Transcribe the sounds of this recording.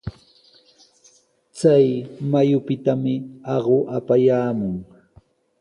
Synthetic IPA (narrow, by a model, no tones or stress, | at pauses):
t͡sajmajʊpɪt̪amɪɑɢoʔapajaːmʊŋ